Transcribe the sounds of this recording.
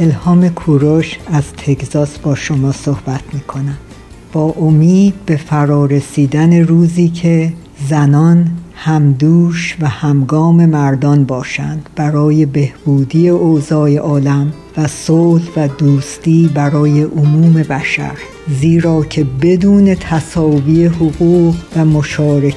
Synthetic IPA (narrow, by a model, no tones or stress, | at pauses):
e̞lhɒːme̞kʰuːɾoʃæz̥t̪ʰeczɒːsbɒːʃomɒːsohb̥æt̪ʰmiːkʰo̞næm | b̥ɒːʔomiːd̪̚be̞fæɾɒːɾe̞siːd̪æne̞ɾuːziːcʰe̞ | zænɒnhæmd̪uːʃvæhæmɡɒːme̞mæɾd̪ɒnbɒːʃænd̪̥b̥æɾɒːje̞be̞hb̥uːd̪iːe̞ozɒːje̞ʔɒːlæm | væsolvæd̪uːst̪iːbæɾɒːje̞ʔomuːme̞bæʃæ̰ɾ | ziːɾɒːcʰe̞be̞d̪uːne̞t̪ʰæsɒːviːe̞ɦoɣuːʁvæmoʃɒːɾe